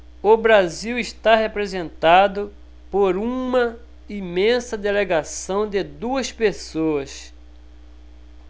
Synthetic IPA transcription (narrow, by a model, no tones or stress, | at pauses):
ʊbɾaziwiʃt̪aɦepɾezẽnt̪ad̪ʊ | poɾũmɐ | imẽsɐd̪eleɡasɐ̃w̃d̪ɪd̪uɐspesoɐs